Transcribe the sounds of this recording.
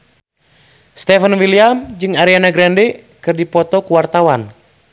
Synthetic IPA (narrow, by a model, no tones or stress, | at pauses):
st̪ɛfənwiliamd͡ʒɨŋaɾianaɡɾɛndɛ | kɨrdipɔt̪ɔkuwart̪awan